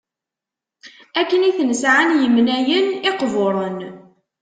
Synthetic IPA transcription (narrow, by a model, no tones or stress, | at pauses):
ækːəniθnəsʕanjəmnæjənɪqvoɾˤən